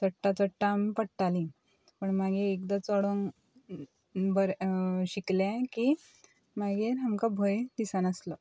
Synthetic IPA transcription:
təʈːat͡səʈːampəɽʈalĩ | pəɳmaɡiekd̪at͡sɔɽoŋ | bəɾɕikljaki | maɡeɾɦamkabʱojd̪isanəslə

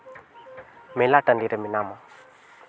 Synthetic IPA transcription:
melaʈandiɾeminama

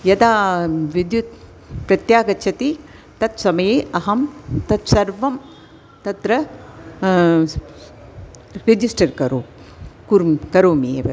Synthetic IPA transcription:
jɐd̪aːʋid̪jut̪̚ | pɾɐt̪jaːɡɐt͡ʃʰɐt̪i | t̪ɐt̪sɐmɐjeːʔɐɦɐmt̪ɐt̪sɐɾʋɐm | t̪ɐt̪ɾɐ | ɾɪd͡ʒisʈɐɾkɐɾoːkuɾmkɐɾoːmeːʋɐ

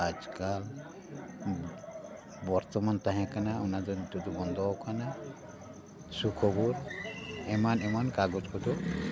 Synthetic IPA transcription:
ad͡ʒkal | bɔɾt̪ɔmant̪aɦãkanaɔnad͡ʒɔnt̪ud̪ubɔnd̪ɔkana | sukʰɔbuɾɛmanɛmankaɡɔt͡ʃkɔt̪ɔ

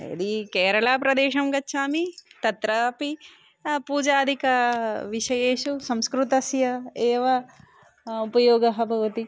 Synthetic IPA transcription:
ɐ̰d̪ikeːɾɐɭaːpɾɐd̪ɛːʃɐmɡɐt͡ʃʰːaːmit̪ɐt̪ɾaːpi | puːd͡ʒaːd̪ʱikɐʋiʃɐjeːʃusɐmskɾut̪ɐsjɐɛːʋɐ | upɐjɔːɡɐɦɐbʱɐʋɐt̪i

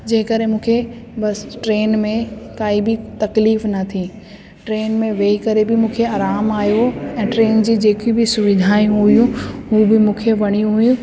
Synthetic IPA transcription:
d͡ʑeːkɐɾɦẽmũːkʰebɐsʈɾeːnmẽkaːibɪt̪ɐkliːfnɐt̪ʰi | ʈɾeːnmẽʋeːikɐɾebɪmũːkʰeaːɾaːmaːjoɛ̃ːʈɾeːnd͡ʑiːd͡ʑeːkubɪsʊʋɪd̪ʱaːjũɦʊijũɦuːbɪmũːkʰeʋɐɽ̃ijũɦʊjũ

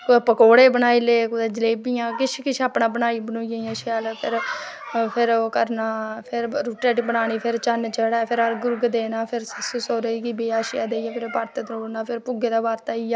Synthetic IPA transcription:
kopəkoːɽeːbənaːiːleːkʊd̪eːd͡ʒəleːbijãːkɪt͡ʃʰkɪt͡ʃʰaːpnaːbənaːiːbənoːijãːaːʃjaːlpʰɪ̰ɾ | pʰɪɾkəɾnaːpʰɪɾɾuːʈɾeːʈibənaːɽ̃iːpʰɪɾt͡ʃənt͡ʃəɽaːpʰɪɾəɾɡʊɾɡd̪eːnaːpʰɪɾsəsʊsoːɾeiːɡiːbiːaːʃɪja̰ːd̪eːjaːpʰɪɾpaːɾt̪et̪ɾoːɾnaːpʰɪɾpʊɡeːd̪aːbaːɾt̪aːiːaː

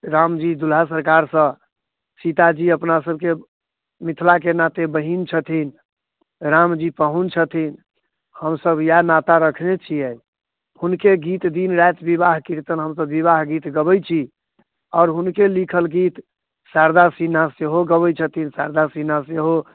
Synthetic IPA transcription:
ɾamd͡ʒid̪ulasəɾkaɾsə̃ | sit̪ad͡ʒiəpnasəb̚ke | mit̪ʰlakenat̪ebəɦint͡ʃʰət̪ʰin | ɾamd͡ʒipəɦunt͡ʃʰət̪ʰin | həmsəbjanat̪aɾəkʰnet͡ʃʰiɛ | hunkeɡit̪d̪inɾajt̪biβaɦkiɾt̪ənɦəmsəbːiβaɦɡit̪ɡəbəjt͡ʃʰi | ɔːɾɦunkelikʰəlɡit̪ | saɾd̪asinaseɦoɡəbəjt͡ʃʰət̪ʰinsaɾd̪asinaseɦo

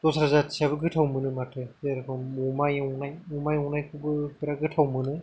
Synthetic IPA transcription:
tɔsaɾazatsʰiabɯɡɯtʰawmɯnɯmatʰɯaɾkʰɯmumajnajumajɔwnajkʰubɯpeɾaɡɯtʰawmɯnɯ

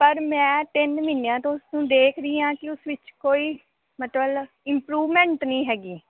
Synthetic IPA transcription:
pəɾmɛ̃ːt̪ɪnmɪnejãːt̪õːʊsnũːd̪eːkʰɾəiːãːkɪʊsʋɪt͡ʃkoːiː | mət̪ləl | ɪmpɾuːʋmɛ̃ːɳʈnəĩːɦɛːɡiː

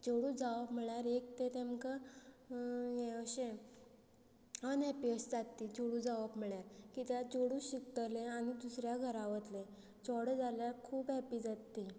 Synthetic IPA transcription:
d͡ʑoɽũd͡zaʋapm̤iɭjaɾek̚t̪et̪emka | jeəɕẽ | ənɛpiəsd͡zat̪ːid͡ʑoɽud͡zaʋapm̤əɭjaɾkit̪jad͡zoɽũɕikt̪əlẽanid̪usɾjaɡʱəɾãʋət̪le | t͡sɔɽəd͡zaljaɾkʰuːpɛpiːd͡zat̪ːi

